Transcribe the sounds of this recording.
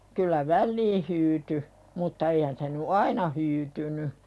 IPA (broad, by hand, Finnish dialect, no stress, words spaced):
kylˑæ ʋælːiː hyːty mutːɑ eihæn se ny ɑinɑ hyːtyny